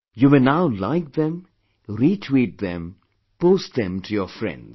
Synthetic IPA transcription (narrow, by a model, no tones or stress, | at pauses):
jumenaʊla̰ɪk̚ðɛ̃m | ɾitʰwiːʈ̚ðɛ̃m | poːst̚d̪ɛ̃mtʰujɔfɹɛ̰̃ndz